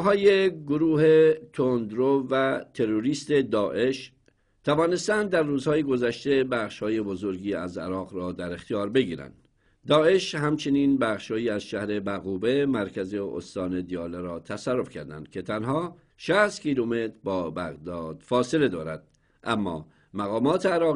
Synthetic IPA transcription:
ɦɒːjeɡoɾuːhet̪ʰond̪ɾovæt̪ʰe̞ɾoɾiːst̪e̞d̪ɒːʔe̞ʃ | t̪ʰævɒːne̞st̪ænd̪d̪ːæɾːuːzhɒːjeɡo̞zæʃt̪e̞bæːχʃhɒːje̞bo̞zo̞ɾɡiːæ̰zæ̰ɾɒːɣɾɒːd̪æɾext̪ijɒːɾbe̞ɡiːɾæ̰nd̪̥ː | ɒːe̞ʃhæmt͡ʃʰe̞niːnbæχʃhɒːjiːæzʃæhɾe̞bæɣuːbe̞mæɾcʰæzeo̰st̪ɒːne̞d̪ijɒːleɾɒːt̪ʰæsærːo̞fkcʰæ̰ɾd̪æ̰nd̪̥̚kʲʰe̞t̪ʰænɦɒː | ʃæst̪cʰiːlume̞t̪ɾbɒːbæɣd̪ɒːd̪̥fɒːse̞le̞d̪ɒːɾæd̪̥̚ | ʔæmːɒ̰ː | mæɣɒːmɒːt̪ʰeæɾɒː

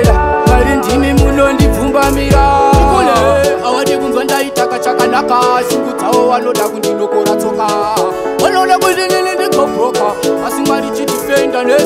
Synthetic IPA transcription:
maɾindimimunondib͡vumbamiɾadikoneawaɗek̬unzandaitakat͡ʃakanakasiŋɡud͡zawoʋano̞ɗakundinokoɾat͡soka | ʋanoɗakuʐenenendeɡʱoɡʱokaːsimaɾit͡ʃitifendane

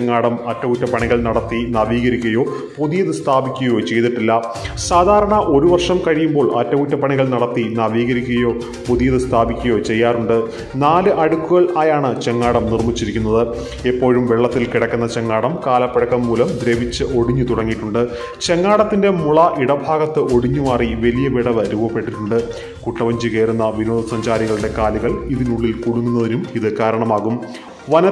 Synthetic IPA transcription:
eŋːaːɽɐmɐtːɐʋutːɐpɐɳiɣɐɭnɐɽɐt̪ːinɐʋiːɣɐɾikʲːɐjo̞ː | puðijɐðɨst̪ʰaːbikʲːuɐjo̞ːt͡ɕe̞jt̪iʈːilːɐ | saːd̪ʱaːɾɐɳɐʔo̞ɾuʋɐrʂɐmkɐɻijumbo̞ːɭɐtːɐʋutːɐpɐɳiɣɐɭnɐɽɐt̪ːinɐʋiːɣɐɾikʲːuɐjo̞ː | puðijɐðɨst̪ʰaːbikʲːujo̞ːt͡ɕe̞jːaːruɳɖɨ | naːlɨʔɐɽukːuɣɐɭʔaːjaːɳɨt͡ɕe̞ŋːaːɽɐmnirmit͡ɕːiɾikʲːun̪ːɐðɨ | epːo̞ːɻumʋeɭːɐt̪ːilkiɽɐkʲːunːɐt͡ɕe̞ŋːaːɽɐmkaːlɐpːɐɽɐkːɐmːuːlɐmd̪ɾeʋit͡ɕːɨʔo̞ɽiɲːut̪uɽɐŋːiʈːuɳɖɨ | t͡ɕe̞ŋːaːɽɐt̪ːinde̞muɭɐʔiɽɐbʱaːɣɐt̪ːɨo̞ɽiɲːuʋaːriʋelijɐʋiɽɐʋɐɾuːʋɐpːe̞ʈːiʈːuɳɖɨ | kuʈːɐʋɐɲd͡ʑɨkeːɾunːɐʋinoːd̪ʱɐsɐɲd͡ʑaːɾiɣɐɭɨɽe̞kaːliɣɐɭiðinuɭːilkuɽuŋːunːɐðinumiðɨkaːɾɐɳɐmaːɣum | ʋɐnɐ

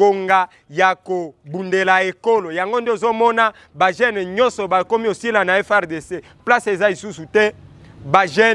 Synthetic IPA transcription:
oŋɡa | jakobundelaekolojaŋɡondeozomɔna | baʒɛnɲɔnsɔbakomiosilanaɛfɛʁdese | plasezalisusutɛbaʒɛ

